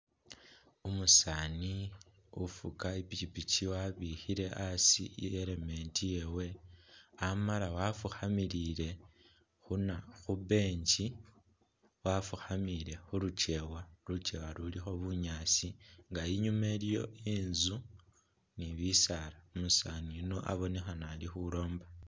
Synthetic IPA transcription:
umusaːni | ufṵkaipicipiciwaβixiɾe̞ʔasḭeɾeme̞ntije̞we | amalawafuxamiɾiɾe̞ | xunaxube̞ːɲt͡ʃi | wafuxamiɾe̞xuɾut͡ʃe̞walut͡ʃe̞walulixo̞βuɲaːt͡siŋɡaiɲumelijo̰iːnzu | niβisaɾamusanino̞ʔa̰βo̞nexanalixulo̞ːmba

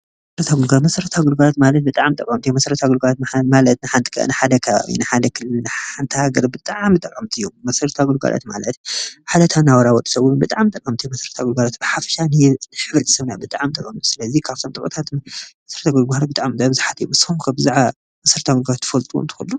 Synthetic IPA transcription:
m | ɐsɐɾɐt̪ʰaɡulɡalmɐsɐɾɐt̪ʰaɡulɡalat̪malɐt̪̚bɨt̪ʼaʕmt̪ʼɐkʼːɐmt̪ujomɐsɐɾɐt̪ʰaɡulɡalat̪malɐt̪nɨħant̪ʰɨ̥kʰɐ̰nɨħad̪ɐkʰɐβa̰βḭnɨħad̪ɐkʰɨlːɨnɨħant̪ʰɨhaɡɐɾbɨt̪ʼaʕmɨt̪ʼɐkʼːɐmt̪ʰɨjommɐsɐɾt̪ʰaɡulɡa̰lʔa̰t̪ma̰lɐ̰t̪ħad̪ɐt̪ʰanawɔɾawɔt̪ʼːɨ̥sɐwunubɨt̪ʼaʕmt̪ʼɐkʼːɐmt̪ʰijmɐsɐɾɐt̪ʰaɡulɡalat̪̚bɨħafɐ̥ʃanɨnɨħɨβɾɨt̪ʰi̥sɐβnabɨt̪ʼaʕmt̪ʼɐkʼːɐmt̪ʰu̥sɨlɐzikʰaβt̪ʰomt̪ʼɨkʼɐ̰t̪ʰat̪mɐsɐɾɐt̪ʰaɡulɡaɾbɨt̪ʼaʕmt̪ʼbɨzħat̪ʰɨj̰mɨshumkʰɐbɨzaʕa | mɐsɐɾt̪ʰaɡulɡalat̪ʰːɨ̥fɐlt̪ʼuwo̰nt̪ʰɨ̥xulːu

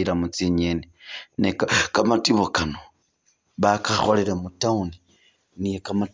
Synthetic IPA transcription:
iɾamut͡siɲeninekakamatiβokano | βakaxo̞leɾamutauni | nijekama

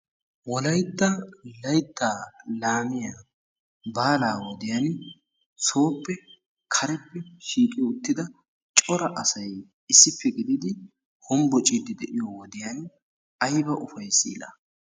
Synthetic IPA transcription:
wɔlɐjt̪ːɐlɐjt̪ːaːlaːmɪja | baːlaːwɔd̪ɪjan | so̞ːpːɛ | kʰɐɾɛpːɛʃiːkʼɪjɔʊt̪ːɪd̪ɐ | t͡ʃʼɔɾɐʔɐsɐj | ɪsːɪpʰːɛɡɪd̪ɪd̪ɪ | hɔmbɔt͡ʃʼid̪ɪd̪ɛʔɪjowɔd̪ɪjan | ɐjbɐʔʊfɐjsḭːlɐ̰

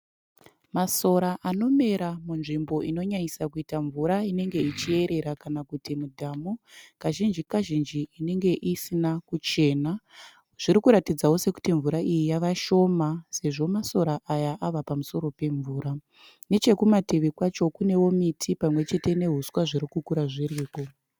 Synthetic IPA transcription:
maso̞ɾaʔano̞me̞ɾamunʐimbo̞ʔino̞ɲaɲisakuitaɱvuɾaine̞ŋɡe̞it͡ʃie̞ɾe̞ɾakanakutimudʱaːmokaʒind͡ʒikaʒind͡ʒiine̞ŋɡe̞ʔisinakut͡ʃe̞ːna | ʐ̥iɾikuɾatid͡zawo̞se̞ku̥tiɱvuɾaʔijijaʋaʃo̞mase̞ʐo̞maso̞ɾaʔajaʔaʋapamuso̞ɾo̞pe̞ɱvuːɾa | ne̞t͡ʃe̞kumateʋikwat͡ʃo̞kune̞wo̞mitʰipamwe̞t͡ʃe̞te̞ne̞ɦuswaʐiɾikukuɾaʐiɾiːko̞

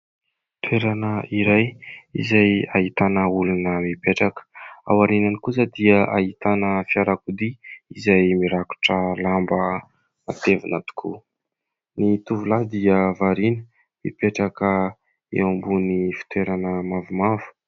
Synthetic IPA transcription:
t̪weɾanəiɾajḭzajaɦit̪anəulunəmipeʈ͡ʂakə̥a̰waɾinanikus̬əd̪iəʔaɦit̪anəfiaɾakud̪iizajmiɾaku̥ʈ͡ʂəlambə | at̪evunat̪u̥kʰu | nit̪uvulad̪iəvaɾinə̥ | mḭpeʈ͡ʂakə | ḛwambunifi̥t̪weɾanəmavumavu̥

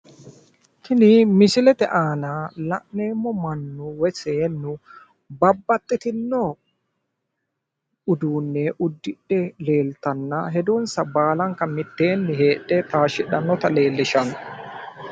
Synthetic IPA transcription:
t̪ʰɪnɪmɪsɪlɛt̪ɛʔaːnɐlɐʔneːmːɔmɐnːʊwɛseːnːʊ | bɐbːɐt̪ʼːɪt̪ɪnːɔ | ʊd̪uːnːeʔʊd̪ːɪɗːɛle̞ːlt̪ɐnːɐɦɛd̪unsɐbaːlɐŋkɐmɪt̪ːeːnːɪɦe̞ːɗːɛt̪aːʃɪᶑɐnːɔt̪ɐle̞ːlːɪʃɐn

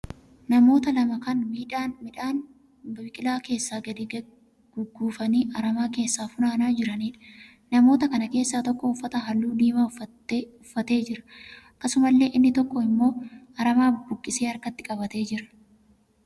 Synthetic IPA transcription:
nɐmo̞ːt̪ɐlɐmɐkɐnmiːᶑaːnmɪᶑaːn | bɐbɪkʼɪlaːke̞ːsːaːɡɐd̪ɪ | ɡ̥ʊɡːuːfɐniːʔɐɾɐmaːke̞ːsːaːfʊnaːnaːd͡ʒɪɾɐniːᶑɐ̥ | nɐmo̞ːt̪ɐkɐnɐke̞ːsːaːt̪ɔkːɔʊfːɐt̪ɐɦɐlːuːd̪iːmaːɐ | ʊfːɐt̪e̞ːd͡ʒɪɾɐ̥ɐkːɐsʊmɐlːe̞ːʔɪnːɪt̪ɔkːɔɪmːo̞ːɐɾɐmaːbʊkʼːɪse̞ːɐɾkɐt̪ːɪ̥kʼɐbɐt̪e̞ːd͡ʒɪɾɐ̥

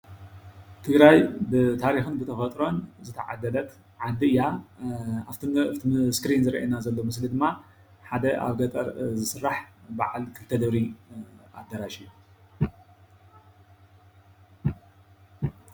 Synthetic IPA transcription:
t̪ʰɨɡɾajbɨt̪ʰaɾixɨnbɨt̪ʰɐfɐt̪ʼɾo̞nzɨt̪ʰɐ̰ʕa̰d̪ɐlɐt̪ | ʕad̪ɨɨja | at̪ʰskɾinzɨɾɐʔḛnazɐlːomɨslid̪ɨmːa | ħad̪ɐʔa̰βɡɐt̪ʼɐɾzɨsɨrːaħbaʕalkʰɨlt̪ʰːɐd̪ɐβɾi | a̰d̪ːɐɾaʃɨjːu

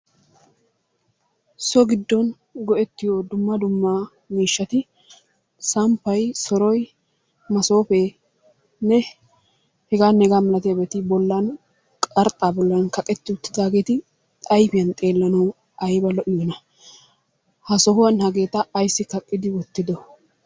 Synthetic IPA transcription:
sɔɡɪd̪ːɔn | ɡɔʔɛt̪ːɪjod̪ʊmːɐd̪ʊmːɐ | miːʃːɐt̪ɪ | sɐmpːɐjsɔɾɔj | mɐso̞ːfeː | nɛ | hɛɡaːnːɛɡaːmɐlɐt̪ɛɐbɛt̪ɪbɔlːɐn | kʼɐɾt̪ʼaːbɔlːɐnkɐkʼɛt̪ːɪʊt̪ːɪd̪aːɡe̞ːt̪ɪ | t̪ʼɐjfɪjɐnt̪ʼe̞ːlːɐnɐw | ɐjbɐlɔʔɪjɔnɐ | hɐsɔɦʊwɐnhɐɡe̞ːt̪ɐːjsːɪkɐkʼːɪd̪ɪwɔt̪ːɪd̪ɔ

